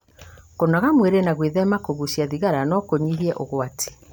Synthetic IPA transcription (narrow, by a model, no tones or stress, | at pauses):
konaɣamweɾenaɣweðɛmakoɣusjaðiɣaɾanɔkoɲiɦiɛʔoɣwatʰe̥